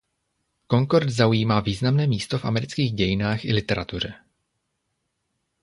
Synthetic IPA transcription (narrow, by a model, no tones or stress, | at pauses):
ko̞ŋkoɾt̪zaujiːmaːviːznamnɛːmiːst̪o̞fa̰mɛɾɪt͡skiːɣɟɛjɪnaːxʔɪlɪt̪ɛɾat̪ur̝ɛ